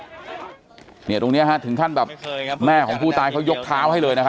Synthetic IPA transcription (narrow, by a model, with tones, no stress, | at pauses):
ni˥˩t̪o˧ŋni˦˥ɐ˧kʰɦa˦˥t̪ʰɯ˩˦ŋkʰa˥˩nbɛː˨˩p̚mɛː˥˩kʰɔː˩˦ŋpʰuː˥˩t̪aː˧jkʰa˦˥wjo˦˥k̚t̪ʰaː˦˥wɦa˥˩jlɤː˧jna˦˥kʰa˥